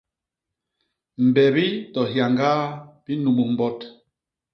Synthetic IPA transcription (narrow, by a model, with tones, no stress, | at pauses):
m̩˨bɛ˨bi˦tɔ˨hja˨ŋɡaː˦b̥i˦nu˨mu˨m̩˦bɔ˦t